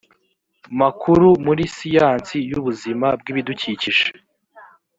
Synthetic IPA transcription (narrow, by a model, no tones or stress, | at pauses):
makʰuɾumuɾisijaːnt͡sijuβuzimab̚ɡiːβiduciciʒe